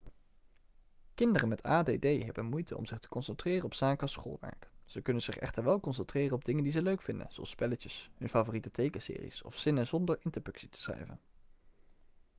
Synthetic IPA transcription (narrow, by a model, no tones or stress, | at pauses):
kɪndərənmɛtʰaːdeːdejɦɛ̰bənmujtʰəɔ̰mzɪχtə̥kɔnsɛntrɪːrənɔpsaːkəɑsχo̰ːlˠʋɛ̰ɹkz̥əkɵnənz̥ɪχɛ̰χtəɹʋɛlˠkɔnsɛntrɪːrənɔb̚dɪŋəndizəløɥkfɪndə̰nzoɑ̰spɛləcəsɦɵnfaːvoːritətejkəsɪ̰ːrḭsɔ̰fsɪnəzɔndəɹɪntəɹdɵksitə̥srɛ̰jvə̰n